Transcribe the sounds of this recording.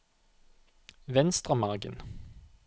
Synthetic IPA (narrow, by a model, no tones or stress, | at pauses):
ʋɛnst̪ʁəmɑʁɡə̰n